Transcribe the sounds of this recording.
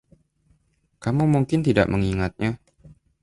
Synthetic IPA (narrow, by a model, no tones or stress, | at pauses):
kamumuŋkɪnt̪ida̰ʔməŋiŋat̪̚ɲa